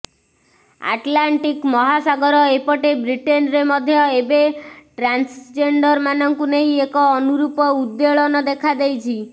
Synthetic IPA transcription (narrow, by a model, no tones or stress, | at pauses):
a̰ʈlaɳʈikmɔɦasaɡɔɾɔepɔʈebɾiʈenɾemɔd̪ʱjɔebeʈɾansd͡ʒeɳɖɔɾmanɔŋkuneɦĩekɔːnuɾupɔud̪ːeɭɔnɔd̪ekʰad̪ejt͡ʃʰi